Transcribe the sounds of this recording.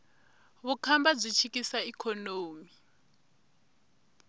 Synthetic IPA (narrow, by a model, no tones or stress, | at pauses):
βukʰambab͡ʐʷit͡ʃʰikisaikʰɔnoːmi